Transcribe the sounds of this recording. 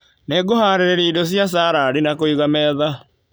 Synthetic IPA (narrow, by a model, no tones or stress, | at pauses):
neɡohaːɾeɾɛɾɛidɔs̬jas̬aːɾaːɾinakoiɣamɛːða